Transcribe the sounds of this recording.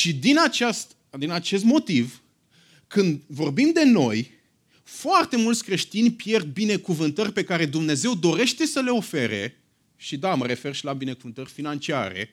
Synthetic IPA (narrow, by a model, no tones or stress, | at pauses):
ʃid̪inat͡ʃast̪ | d̪inat͡ʃe̞s̬t̪mo̞t̪iv | kɨnd̪vo̞rbimd̪e̞no̞j | foart̪e̞mult̪sʲkɾe̞ʃt̪inʲpje̞rd̪̚bine̞kuvɨnt̪ərʲpe̞kaɾe̞d̪umne̞ze̞wd̪o̞ɾe̞ʃt̪e̞səle̞o̞fe̞ɾe̞̰ | ʃid̪aməɾe̞fe̞rʃilabine̞kuvɨnt̪ərʲfinant͡ʃia̰ɾe̞̰